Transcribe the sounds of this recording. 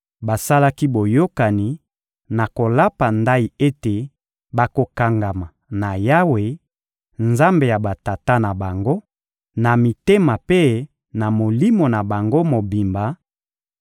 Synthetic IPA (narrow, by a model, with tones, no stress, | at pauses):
ba˨sa˦la˦ki˦bo˨jo˦ka˨ni˨ | na˨ko˨la˦pa˨nda˦i˨e˦te˨ | ba˨ko˨ka˨ŋɡa˨ma˨ | na˨ja˦we˨ | nza˦mbe˨ja˨ba˨ta˨ta˦na˨ba˨ŋɡo˦ | na˨mi˨te˦ma˨pe˦ | na˨mo˨li˦mo˨na˨ba˨ŋɡo˦mo˨bi˨mba˨